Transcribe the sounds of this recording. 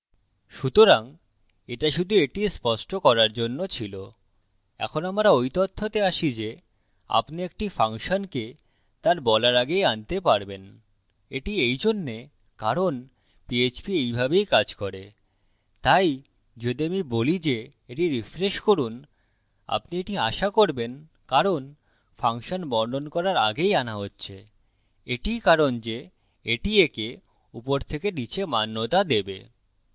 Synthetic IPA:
ʃut̪oɾaŋ | eʈaʃud̪ʱueʈispɔʃʈokɔɾaɾd͡ʑonːot͡ɕʰilo | ɛ̰kʰonamɾaojt̪ot̪ʰːot̪eaʃid͡ʑe | a̰pniek̚ʈifaŋʃonke | t̪aɾbɔlaɾaɡejant̪epaɾben | eʈiejd͡ʑonːe | kaɾon | piet͡ɕbiejbʱabejkad͡ʑkɔɾe | t̪aj | d͡ʑed̪iamibolid͡ʑe | eʈiɾifɾeʃkoɾun | a̰pnieʈiaʃakoɾben | kaɾon | fʰaŋʃonbɔɳɖʱonkɔɾaɾaɡejanaɦotːɕʰe | eʈijkaɾond͡ʑe | eʈieke | upoɾt̪ʰekenit͡ɕʰemanːot̪ad̪ebe

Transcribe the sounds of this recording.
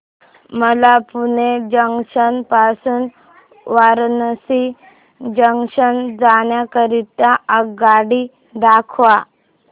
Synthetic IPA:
məlapuned͡ʑəŋɕənpasuːn | ʋaɾnəsi | d͡ʑəŋɕənd͡zaɳjakəɾit̪jaəɡaɽi | d̪akʰʋa

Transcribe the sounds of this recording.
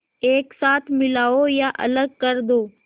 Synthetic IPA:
eːksaːt̪ʰmɪlaːojaʔɐ̰ləɡ̚kəɾd̪oː

